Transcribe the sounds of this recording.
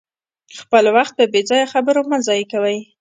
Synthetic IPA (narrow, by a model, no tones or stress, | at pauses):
xpəlwaxt̪̚d̪əbed͡zɑjaxabəɾomazɑjkawəj